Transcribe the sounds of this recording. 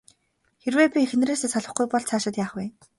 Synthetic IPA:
xerweːpʲixenreːseːsaɮɞ̆χɡujpɔɮt͡sʰaːʃɪ̆t̪jaːχweː

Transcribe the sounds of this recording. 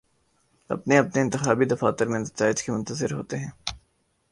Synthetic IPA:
ɐ̰pneɐpneɪnt̪ɪxaːbid̪ɐfaːt̪ɐɾmẽnɐt̪aːɪd͡ʒkemʊ̃nt̪əzɪɾɦoːt̪eɦɛ̃ː

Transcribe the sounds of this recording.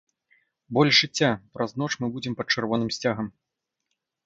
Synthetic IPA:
bɔlʲʐɨt͡sʲːapɾɐznɔt͡ʂmɨbud͡zʲɛmpɐt̪̚t͡ʂɨrvɔnɨmsʲt͡sʲaɣɐm

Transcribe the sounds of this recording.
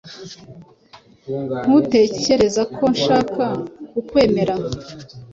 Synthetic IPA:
n̥hute̞ːce̞ɾe̞zakʰo̞nʃaːkakukwe̞ːme̞ɾa

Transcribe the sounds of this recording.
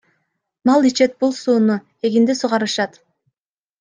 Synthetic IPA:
nɑlˠit͡ʃe̞t̪̚bulˠsuːnu | e̞ɡind̪esuʁɑɾɯʃɑt̪

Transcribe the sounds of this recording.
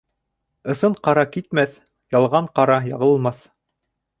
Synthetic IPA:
ɤ̆sɤɴqɑɾɑkit̪̚mæθ | jɑlˠʁɑɴqɑɾɑjɑʁɤ̆llˠmɑθ

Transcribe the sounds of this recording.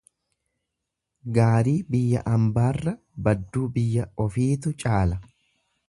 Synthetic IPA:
ɡaːɾiːbɪjːɐ̰ʔɐmbaːrːɐ | bɐd̪ːuːbɪjːɐɔfiːt̪ʊt͡ʃʼaːlɐ

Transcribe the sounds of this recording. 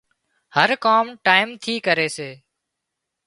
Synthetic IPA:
həɾkaːmʈaːɪmt̪ʰiːkəɾeːseː

